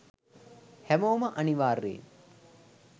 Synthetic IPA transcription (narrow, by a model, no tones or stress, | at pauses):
hɛmoːmɐʔɐniʋaːrːḛːn